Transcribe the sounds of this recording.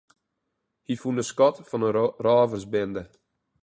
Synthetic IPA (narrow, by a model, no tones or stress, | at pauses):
hifundəskɔtfɑnəraːvərsbɪndə